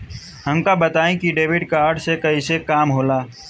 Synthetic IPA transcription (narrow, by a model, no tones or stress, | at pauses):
ɦəmkabət̪aːẽkiɖeːʋɪɖkaːɾɖsekɐisekaːmɦoːlaː